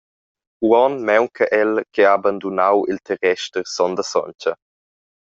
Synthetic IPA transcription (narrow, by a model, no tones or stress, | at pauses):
wɔnmɛwkʰəʔɛlkʰɛaaband̪unawilt̪ʰɛɾɛʃtəɾsɔnd̪əsɔ̰nt͡ʃə